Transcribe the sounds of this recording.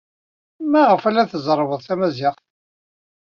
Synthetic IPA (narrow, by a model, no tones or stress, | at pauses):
mæʁəfælːæθəzˤɾˤvəðˤθæmæziʁ